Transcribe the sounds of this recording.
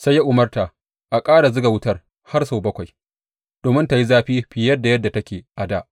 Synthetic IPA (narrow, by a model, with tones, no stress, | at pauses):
sa˦jːa˦ʔʊ˨mɐ˦rtaː˨ | ʔa˨kʼaː˦ɽa˨zʊ˦ɡa˨wʊ˦tɐ˦r | ha˦rsoː˨bɐ˦kʷa˨j | d̥oː˨mɪ˦nta˨ji˦zaː˦ɸiː˦ɸɪ˨jɐ˦dːa˨jɐ˦dːa˨tɐ˦kʲeː˨ʔa˨daː˦ʔ